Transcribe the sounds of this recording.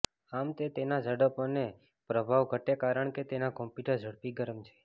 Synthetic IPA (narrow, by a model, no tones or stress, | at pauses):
amt̪et̪enad͡ʒəɽəpone | pɾəbʱaʋɡʱəʈekaɾəɳket̪enakɔ̃mpjuʈəɾd͡ʒʱəɽpiɡəɾəmt͡ʃʰe̥